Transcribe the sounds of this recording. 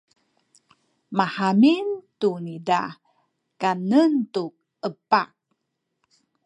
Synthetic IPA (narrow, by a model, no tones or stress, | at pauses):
mahamintunida̰ | kanəntu | əpa̰k̚